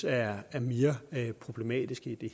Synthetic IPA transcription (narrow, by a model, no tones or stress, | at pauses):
æːɐme̝ːɐpʰʁo̝b̥le̝mɛ̰ːd̥isɡ̥id̥e̝